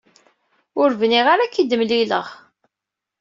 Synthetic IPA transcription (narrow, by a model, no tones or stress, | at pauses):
ʊɾvniʁaɾakːid̪əmliləʁ